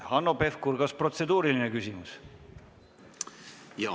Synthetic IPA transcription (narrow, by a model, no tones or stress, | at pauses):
hɑnːopefkurɡ̥ɑspro̞t̪se̞d̪uːɾiline̞kysʲimus | jɑ